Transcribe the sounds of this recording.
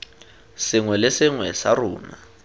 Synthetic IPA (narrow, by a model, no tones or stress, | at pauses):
sɪŋwɛlɪsɪŋwɛsaruːna̰